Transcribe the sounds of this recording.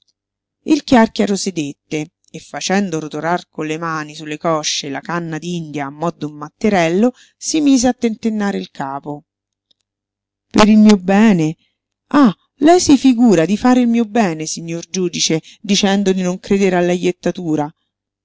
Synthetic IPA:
ilkjarkjaɾosed̪et̪ːeː | fːat͡ʃɛnd̪oɾot̪oɾarkonlemaːnisulːekɔʃːelakanːad̪iind̪jaːmːɔd̪ːoumːat̪ːeɾɛlːo | simiːzeat̪ːent̪enːaːɾeilkʰaːpo | peɾilmiːobɛːne | a | lɛjsifiɡuːɾad̪ifaːɾeilmiːobɛːnesiɲːord͡ʒuːd̪it͡ʃe | d̪it͡ʃɛnd̪od̪inoŋkɾeːd̪eɾealːajːet̪ːat̪uːɾa

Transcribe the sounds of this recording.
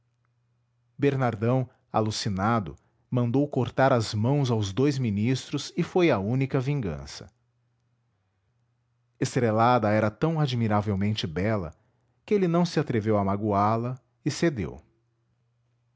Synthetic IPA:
beɾnaɾd̪ɐ̃w̃ | a̰lusinad̪ʊ̰ | mɐ̃nd̪owkoɾt̪aɾɐzmɐ̃w̃zawzd̪ojzminist̪ɾʊzɪfojɐũnikɐvĩŋɡɐ̰̃sɐ̥̰ | est̪ɾelad̪ɐɛɾɐt̪ɐ̃w̃ad͡ʒmiɾavewmẽnt͡ʃɪbɛlɐ̰ | kɪelɪnɐ̃w̃sɪat̪ɾevewɐmaɡualɐ | ɪsed̪ḛw

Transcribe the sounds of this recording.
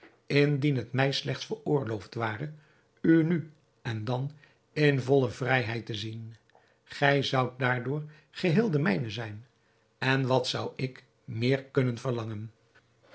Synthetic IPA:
ɪndinɦətmɛjslɛχtsfəɹʊːɹlowftʋaːrə | yny | ɛndɑn | ɪnvɔləvrɛjɦɛjtəzin | χɛjzʌwt̚daːɹdʊːɹ | χəɦɪːlˠdəmɛjnəzɛjn | ɛnʋɑtsʌwɪk | mɪːɹkɵnənvəɹlɑŋən

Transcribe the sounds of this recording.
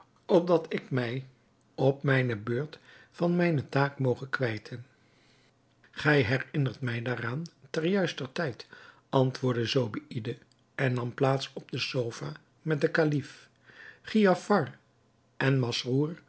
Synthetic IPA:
ɔp̚dɑtʰɪkmɛj | ɔpmɛjnəbøːɹtfɑnmɛjnətaːkmowχəkʋɛjtʰən | χɛjɦɛrɪnəɹtmɛjdaːraːntɛrjœɥstərtɛjt | ɑntʋʊːɹdəzowbiidə | ɛnːɑmplaːtsɔb̚dəsowvaː | mɛt̚dəkalif | χijɑfɑr | ʔɛnmɑsruːr

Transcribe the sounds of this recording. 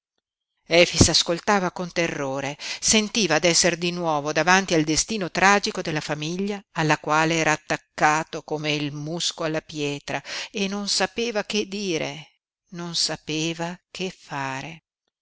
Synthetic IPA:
ɛfisaskolt̪aːvakont̪erːoːɾesent̪iːvaːd̪ɛsːerd̪inwɔːvod̪avant̪iald̪est̪iːnot̪ɾaːd͡ʒikod̪elːafamiʎːaːlːakwaːleɛːɾaːt̪ːakːaːt̪okomeilmuskoalːapjɛːt̪ɾaenːonsapeːvak̟ed̪ːiːɾḛ | nonsapeːvakʰefːaːɾe

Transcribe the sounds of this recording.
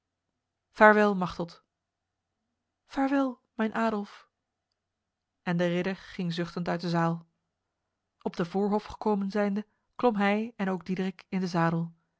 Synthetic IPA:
faːɹʋɪlˠmɑχtɔlt | faːɹʋɪlˠ | mɛjnʔaːdɔlˠf | ʔɛndərɪdəɹχɪŋzʏχtəntœɥt̚dəzaːlˠ | ɔb̚dəvʊːɹɦɔfχə̥koːwmənzɛjndə | klɔmɦɛjɛnowɡ̚didrɪkɪndəzaːdəlˠ

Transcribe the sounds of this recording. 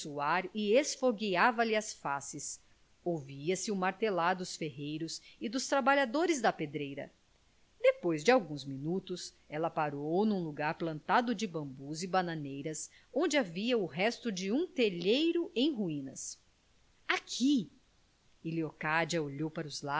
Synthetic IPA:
suaɾɪesfoɡiavɐlɪɐsfasɪs | owviɐsɪʊmaɾt̪elaɾd̪ʊsfeɦejɾʊsɪd̪ʊst̪ɾabaʎad̪oɾɪzd̪ɐped̪ɾejɾɐ̰ | d̪epojzd͡ʒɪawɡũzminut̪ʊs | ɛlɐpaɾownũluɡaɾplɐ̃nt̪ad̪ʊd͡ʒɪbɐ̃mbuzɪbanɐ̃nejɾɐs | õnd͡ʒɪaviɐʊɦɛst̪ʊd͡ʒɪũt̪eʎejɾʊẽj̃ɦuĩnɐ̰s | akʰi | iliokad͡ʒɐoʎowpaɾʊzla

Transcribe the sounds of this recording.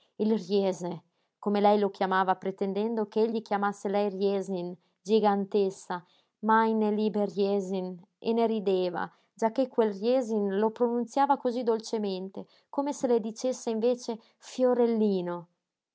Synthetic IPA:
ilrjɛːze | komelɛjlokjamaːvapɾet̪end̪ɛnd̪okeeʎːikjamasːelɛjrjɛːzin | d͡ʒiɡant̪esːa | majneliberjɛzin | ḛneɾid̪eːva̰ | d͡ʒakːekːwelrjɛːzinlopɾonunt̪sjaːvakozid̪olt͡ʃement̪e | komeseled̪it͡ʃesːeiɱveːt͡ʃe | fjoɾelːiːno

